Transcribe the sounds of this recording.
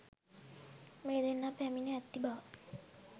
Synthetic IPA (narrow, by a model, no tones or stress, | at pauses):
meːd̪enːapæmineɛt̪ːibaʋ